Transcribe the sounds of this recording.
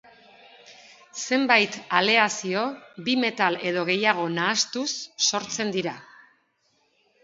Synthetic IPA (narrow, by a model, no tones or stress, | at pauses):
se̞mbajt̪ale̞asio̞bime̞t̪ale̞ð̞o̞ɣ̞e̞jaɣ̞o̞naːst̪usːo̞ɾt͡se̞nd̪iɾa